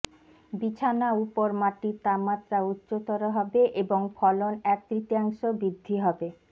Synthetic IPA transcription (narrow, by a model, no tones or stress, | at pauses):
bit͡ɕʰanaupoɾmaʈit̪amat̪ːɾautːɕot̪ɔɾoɦɔbeʔeboŋfʰɔlonɛk̚t̪ɾit̪iaŋʃobid̪ʱːiɦɔbe